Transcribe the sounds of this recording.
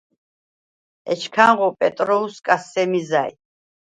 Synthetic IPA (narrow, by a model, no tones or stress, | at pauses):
ɛ̰t͡ʃʰkʰaŋʁɔpʼɛt̪ʼɾɔuskʼasːɛmizaj̰